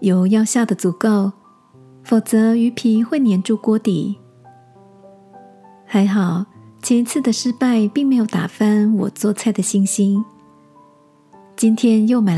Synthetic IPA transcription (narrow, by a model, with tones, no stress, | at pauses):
jo˨˧˥ʊjɑ˥˧ʊɕja˥˩d̪ə˩t͡su˨˩ko˥˩ʊ | fo˨˩ʊt͡sɤ˧˥y˧˥pʰi˧˥xwe˥˩ɪnjɛ˧˥nʈ͡ʂu˥˩kwɔ˥t̪ḭ˨˩˦ | xa˧˥ɪxɑ˨˩ʊt͡ɕʰjɛ˧˥i˧˥t͡sʰɹ̩˥˩d̪ə˩ʂɻ̩˥pa˥˧ɪpi˥˩ŋme˧˥ɪjo˨˧˩ʊt̪a̰˨˩fa˥nwɔ̰˨˩t͡swɔ˥˧t͡sʰa˥˩ɪd̪ə˩ɕi˥˩ŋɕi˥n | t͡ɕi˥nt̪ʰjɛ˥njo˥˩ʊma˨˩